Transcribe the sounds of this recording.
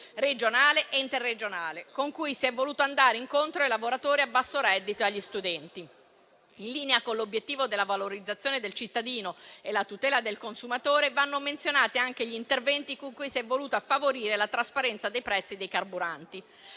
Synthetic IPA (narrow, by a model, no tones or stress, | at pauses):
red͡ʒonaːleʔeint̪erːed͡ʒonaːlekoŋkujsiɛvːoluːt̪oand̪aːɾeiŋkont̪ɾoelavoɾat̪oːɾiabːasːoɾɛd̪ːit̪oaʎːist̪ud̪ɛnt̪i | inliːneakonlːobjet̪ːiːvod̪elːavaloɾid̪zːat̪sːjoːned̪elt͡ʃit̪ːad̪iːnoelat̪ut̪ɛːlad̪elkonsumat̪oːɾevanːoment̪sjonaːt̪iaŋk̟eʎint̪ervɛnt̪ikoŋkujsiɛvːoluːt̪afːavoɾiːɾelat̪ɾaspaɾɛnt̪sad̪ejpɾɛt̪sːid̪ejkarbuɾant̪i